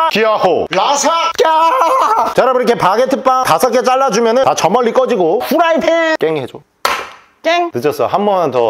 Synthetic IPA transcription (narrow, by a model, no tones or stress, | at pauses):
kiaho̰lasʰaka | t͡ɕʌɾabɯɾikʰepaɡetʰɯp͈atasʰʌk̬͈et͡ɕ͈aɭːad͡ʑumjʌnɯtat͡ɕʌmʌɭːik͈ʌd͡ʑiɡoɸuɾaipʰek͈eŋhed͡ʑo | k͈eŋtɯd͡ʑʌs͈ʌɦambʌnantʌ